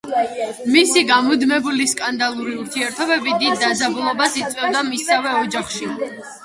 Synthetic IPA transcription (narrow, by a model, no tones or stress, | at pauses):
misiɡamɔd̪mɛbuliskʼand̪alˠuɾiuɾt̪ʰiɛɾt̪ʰɔbɛbid̪id̪ːazabulˠɔbasit̪sʼwɛvd̪amisavɛɔd͡ʒaχʃi